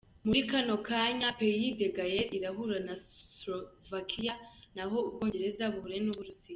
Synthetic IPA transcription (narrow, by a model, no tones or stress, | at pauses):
muɾikano̞kʰaɲapejide̞ɡajeɾiɾaɦuɾanasɾovakʰijanaɦo̞ubɡo̞ːɲɟe̞ɾe̞zaβuβuɾe̞nuβuɾusija